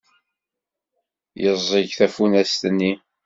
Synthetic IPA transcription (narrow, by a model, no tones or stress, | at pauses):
jəzˤiʝθæfunæst̪ənːi